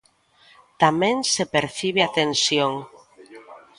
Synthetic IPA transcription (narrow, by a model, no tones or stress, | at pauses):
t̪amẽŋsepeɾθiβ̞eat̪ensjoŋ